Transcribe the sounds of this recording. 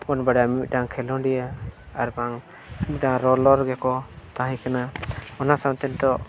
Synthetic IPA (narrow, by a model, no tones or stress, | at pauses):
pɔnbaɖamit̪̚ˀɖaŋkʰɛlɔ̃ɖija | aɾbaŋ | midaŋɾɔlɔɾɡɛkɔt̪aɦĩkanaɔnasawt̪ɛnd̪ɔʔ